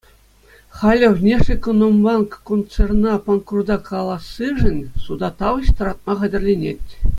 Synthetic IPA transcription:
χɑlʲɘ̆ʋʲnʲeʂekʲonombɑnkkont̪t͡sernɑponkurd̪ɑkʰɑlˠɑsːɯʐɘ̆nʲsud̪ɑt̪ɑʋɤ̆ɕt̪ɤ̆ɾɑt̪̚mɑχɑ̆dʲɘ̆rʲlʲenʲetʲ

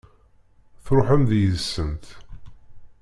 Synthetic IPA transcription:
θɾoħəmðjəðəsːənt̪

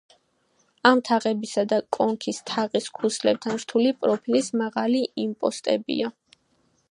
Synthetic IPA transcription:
amt̪ʰaʁɛbisad̪akʼɔŋkʰist̪ʰaʁiskʰuslɛb̚t̪ʰanɾt̪ʰulipʼɾɔpʰilismaʁaliʔimpʼɔ̰st̪ʼɛ̰bḭa

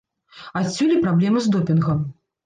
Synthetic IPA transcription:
asʲːulʲipɾablʲɛmɨzd̪ɔpʲinɣɐm

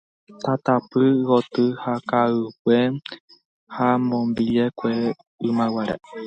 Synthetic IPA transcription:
t̪at̪apɨɣot̪ɨhakaɨkʷe | hamõmbiekʷe | ɨmãwaɾḛ

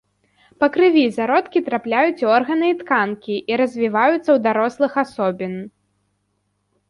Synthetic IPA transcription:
pɐkɾɨvʲizaɾɔt̪kʲit̪ɾaplʲajut͡sʲɔrɣɐnɨːt̪kankʲiʔiɾɐzʲvʲivajut̪sːɐwd̪aɾɔslˠɨxasɔbʲin

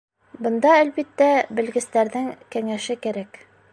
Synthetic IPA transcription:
bɤ̆nd̪ɑælbit̪ːæbɘ̆lɡɘ̆st̪æɾðɘŋkæŋæʃɘkæɾæk

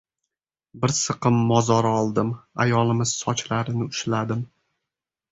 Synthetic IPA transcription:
bɪɾsɨqɨmːɒzɒɾɒlˠd̪ɪma̰jɒlˠɪmɪz̥sɒt͡ʃlaɾɪnɪʊʃlad̪ɪm

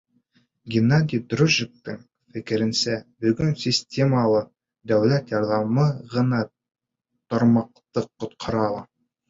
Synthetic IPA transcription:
ɡʲɪnːad̪ʲijd̪ruʒɪk̚t̪ɤŋ | fɘ̆kɘ̆ɾɘ̆nsæbɵ̆ɡɵnsʲɪsʲtʲʰemɑlˠɤ | d̪æwlæt̪jɑɾðɑmɤʁɤ̆nɑ | t̪ŏɾmɑq̚t̪ɤqːŏt̪qʰɑ̆ɾɑlˠɑ

